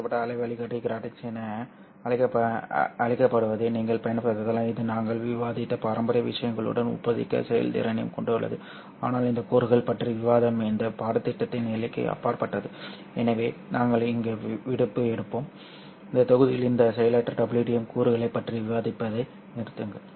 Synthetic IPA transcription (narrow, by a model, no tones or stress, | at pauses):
ɐpːɐʈːɐːɭɐɪʋɐɭɪkɐʈːɪɡɾaːʈːɪksɛnɐ | ɐɻɪkːɐpɐɐɻɪkːɐpːɐɽɯʋɐðɯniːŋɡɐɭpɐjɐnpːɐt̪ːɐðɐlãːɪðɯnaːŋɡɐɭʋɪʋaːðɪt̪ːɐpaːɾɐmbɐɾɐjɐʋɪʂɐjɐŋɡɐɭɯ̰ɽɐnʊ̰pːɐðɪ̰kːɐ̰sɛjɐ̰lt̪ḭːɾɐnɐjɐ̰mkɔɳɖɯɐ̰ɭːɐ̰ðɯ̰ | a̰ːnaːlɪnd̪ɐkuːɾɯɣɐɭpɐʈriʋɪʋaːðɐmɪnd̪ɐpaːɾɐt̪ːɪʈːɐt̪ːɪnɛlɪkːɯ̰ɐ̰pːaːɾpɐʈːɐðɯ | ɛnɐʋeːnaːŋɡɐɭɪŋɡeːʋɪɽɯpːɯɛɽɯpːoːm | ɪnd̪ɐt̪ːɔɣɯðɪjɪlɪnd̪ɐsɛjɐlɐʈːrɐɖɐbɪliʈɪjɐmkuːɾɯɣɐɭɐɪpːɐʈriʋɪʋaːðɪpːɐðɐɪ | nɪɾɯt̪ːɯŋɡɐ